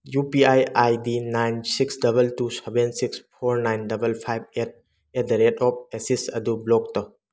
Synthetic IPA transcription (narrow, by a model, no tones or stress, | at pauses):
jupiajajdinajnsiksdɐbɐltusebensikspʰoɾnajndɐbɐlpʰajb̚et̚ | edɾedɔp̚esisɐ̰dublɔk̚tɐ